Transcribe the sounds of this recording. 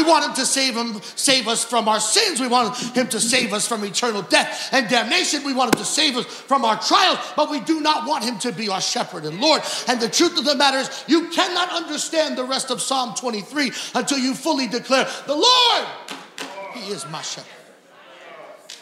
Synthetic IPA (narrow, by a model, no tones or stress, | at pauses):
iwɑ̃nt̚ɨ̃mtɨseɪv̥ɪ̃m | seɪvʌsfɹʌ̃maʊə˞sɪ̃nzwiwɑ̃nɨ̃mtʰɨseɪvʌsfɹʌ̃mɨtʰɜ̃˞nl̩ˠdɛθɨ̃ndæ̃mneɪʃɨ̃nwiwɑ̃nthɪ̃m̩tʰɨseɪvʌs | fɹʌ̃maʊə˞tʰɹ̥aɪl̩ˠzb̥ʌt̚widɨnət̚wɑ̃nt̚ɦɨ̃mtʰɨbiʊə˞ʃɛpə˞ɾɨ̃nlɔɹɾɨ̃nðɨtʰɹ̥ʉθʌvðəmæɾə˞ɨzjɨkʰænɑɾʌ̃ndə˞stæ̃nðəɹɛstʌv̥sɑmtʰw̥ɛ̃ɾ̃iθɹiə̃ntʰɪlˠjɨfʊlˠidɨkʰl̥ɛɹðəlɔɹd̚ | hiɪzmaɪʃɛpə˞d̥